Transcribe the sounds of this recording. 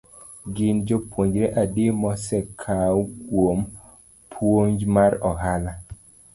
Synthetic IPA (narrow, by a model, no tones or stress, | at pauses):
ɡɪnd͡ʒopwoɲd͡ʒɾeʔademɔsɛkʰawkwom | pʰwoɲd͡ʒmaɾɔɦala